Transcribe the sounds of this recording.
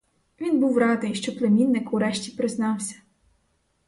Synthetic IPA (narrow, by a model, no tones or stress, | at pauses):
ʋʲinbuwɾɑd̪ɪjʃt͡ʃɔplˠemʲinːɪkuɾɛʃtʲipɾɪznɑwsʲɐ̥